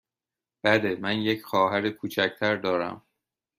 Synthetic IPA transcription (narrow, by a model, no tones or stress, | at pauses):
b̥æd̪emænjecʰxɒːɦæɾekʰuːt͡ʃʰæct̪ʰæɾd̪ɒːɾæ̰m